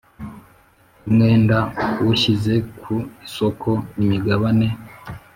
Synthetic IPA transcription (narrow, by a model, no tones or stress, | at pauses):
umŋe̞ːndawuçize̞kʰusokʰo̞nimiɡaβane̞